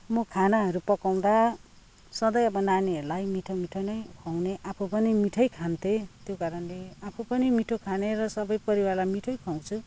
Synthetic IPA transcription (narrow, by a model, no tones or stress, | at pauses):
mʌkʰanaɦʌɾupʌkaw̃d̪a | sʌd̪ʌjʌbʌnaniɦʌɾulajmiʈʰomiʈʰʌnʌjkʰaw̃neʔapʰupʌnimiʈʰʌjkʰant̪ʰet̪jokaɾʌnleapʰupʌnimiʈʰokʰaneɾʌsʌbʌjpʌɾiwarlamiʈʰʌjkʰaw̃t͡sʰu